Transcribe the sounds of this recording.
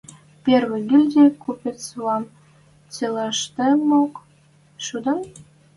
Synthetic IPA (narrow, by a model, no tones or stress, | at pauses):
pʲerβĕɡilʲd̪ʲekupʲet͡slɑm | t͡sʲelɑʃt̪ĕmok | ʃud̪ɤ̆m